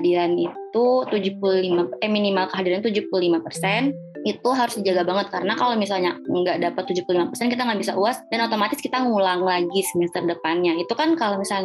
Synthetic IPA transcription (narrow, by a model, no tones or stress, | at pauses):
adiɾanit̪ut̪ud͡ʒuhpululimaɛminimalkəɦadiɾaɲnt̪ud͡ʒupululimapərsɛn | it̪uɦaɾʊsdid͡ʒaɡabaŋət̪̚kaɾənakalomisalɲaəŋɡaʔdapat̪ːud͡ʒupululimapərsɛnkit̪̬aŋɡaʔbisaʔuasdanot̪omat̪ɪskit̪aŋulaŋlaɡisəmɛst̪ərdəpanɲait̪ukankalomisalɲ